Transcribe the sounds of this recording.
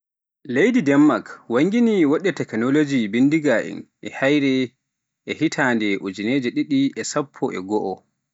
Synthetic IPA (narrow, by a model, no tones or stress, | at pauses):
lejdidɛmːakwaŋɡiniwɔɗɛtɛknɔlod͡ʒibindiɡaʔḭnʔɛhajɾɛ | ʔɛhitʰandɛʔud͡ʒineːd͡ʒɛɗiɗiɛsapʰːɔʔɛ̰ɡɔʔɔ